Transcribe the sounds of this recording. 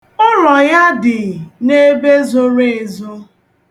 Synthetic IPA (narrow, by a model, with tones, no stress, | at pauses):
ʊ˦ɾɔ˨ja˦dɪ˨ne˦be˦zo˦ɾe˦˨e˨zo˦